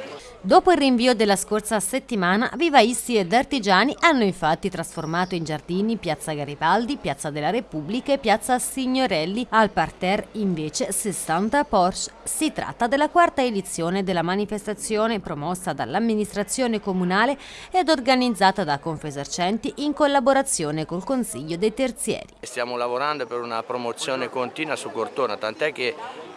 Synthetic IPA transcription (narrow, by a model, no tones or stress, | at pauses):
d̪oːpoilrːiɱviːod̪elːaskorsaset̪ːimaːna̰vivaist̪ied̪art̪id͡ʒaːniʔanːoiɱfat̪ːit̪ɾasformaːt̪oind͡ʒard̪iːnipjat̪sːaɡaɾipald̪ipjat̪sːad̪elːaɾepubːlikaepːjat̪sːasiɲːoɾɛlːialpart̪ɛriɱveːt͡ʃesesːant̪apɔrssit̪ɾa̰t̪ːad̪elːakwart̪aed̪it̪sːjoːned̪elːamanifest̪at̪sːjoːnepɾomɔsːad̪a̰lːamːinist̪ɾat̪sːjoːnekomunaːle | ɛd̪orɡanid̪zːaːt̪ad̪akːoɱfesart͡ʃɛnt̪iʔiŋkolːaboɾat̪sːjoːnekolkonsiʎːod̪ejt̪ert̪sjɛ̰ːɾist̪jaːmolavoɾand̪opeɾunapɾomot̪sjoːnekont̪iːnwasukːort̪oːnat̪ant̪oɛk̟ːe